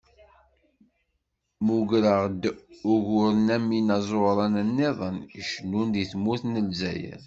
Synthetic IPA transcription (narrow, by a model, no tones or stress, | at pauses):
muʝɾəʁd̪ʊʝʊɾnæminɑzˤoɾˤɑnənːeðˤəniʃənːund̪iθmuθnəlzæ̰jə̰ɾ